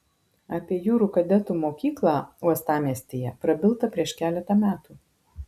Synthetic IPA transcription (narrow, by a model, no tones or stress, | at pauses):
ɐpʲiɛjuːɾuːkɐd̪ʲɛt̪uːmoːkʲiːklˠɑːuɔst̪ɑːmʲiɛsʲt̪ʲeːjɛpɾɐbʲɪlˠt̪ɐpʲɾʲiɛʃkʲæːlʲɛt̪ɐmʲæːt̪uː